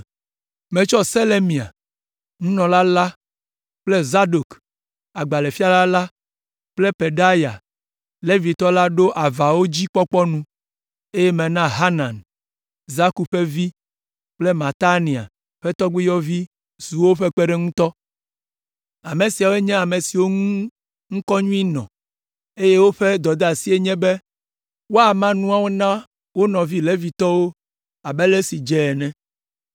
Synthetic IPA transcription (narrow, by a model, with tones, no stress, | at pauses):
mẽ˨t͡ʃɔ˦se˦le˦mĩ˨a̰˨ | ŋũ˦nɔ̃˨la˦la˦ | k͡ple˦za˦ɖo˨k | a˨ɡ͡ba˨le˨fi˦a˦la˦la˦ | k͡ple˦pe˨ɖa˦ja̰˨ | le˦vi˨t̪ɔ˦la˦ɖo˦ʔa˨va˨wo˦d͡ʑi˦k͡pɔ˦k͡pɔ˦nũ˦ | e˦jɛ˦mẽ˨nã˦ɦa˦nã˨n | za˦ku˨ɸe˦vi˦ | k͡ple˦mã˨t̪a˦nĩ˨a̰˨ | ɸɛ˦t̪ɔ˦ɡ͡bi˦jɔ˦vi˦ | su˨wo˦ɸe˦k͡pɛ˦ɖɛ˦ŋũ˦t̪ɔ˦ | a˨mẽ˨si˨a˨wo˦e˦ɲɛ̃˦a˨me˨si˨wo˦ŋũ˦ | ŋ̩̃˦kɔ˦ɲũ˦i˦nɔ̰̃˨ | e˦je˦wo˦ɸe˦d̪ɔ˨d̪a˨si˦e˦ɲɛ̃˦be˦ | wo˦a˨mã˦nũ˦a˦wo˦nã˦ | wo˦nɔ̃˨vi˦le˦vi˨t̪ɔ˦wo˦ | a˨bɛ˦le˦si˨d͡ʒɛ˨nɛ̃˨